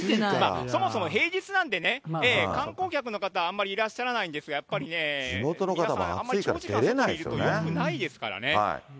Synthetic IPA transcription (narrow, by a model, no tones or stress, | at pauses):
ma̰ːso̞mo̞so̞mo̞ɦe̞ːd͡ʑit͡sɨnãnt̪̬e̞ne̞eːkãŋko̞ːkʲakɯ̟no̞kat̪aãmːaɾʲiːɾaɕːaɾanaĩnd̪e̞sɨɡajapːaɾʲine̞sinot̪o̞nokat̪aβa̰a̰ammːaɨikaɾait̪eɾenaiiɾɯot̪oekɯ̟naid̪e̞sɨ̥ka̰ɾa̰ne̞a̰i